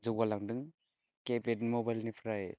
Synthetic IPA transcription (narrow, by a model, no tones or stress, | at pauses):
zɯwalaŋdɯŋ | kepetnimobajlnipʰɾaj